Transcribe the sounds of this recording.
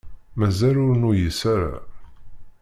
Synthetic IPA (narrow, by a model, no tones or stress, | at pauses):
mæzælʊɾnujəsæɾa̰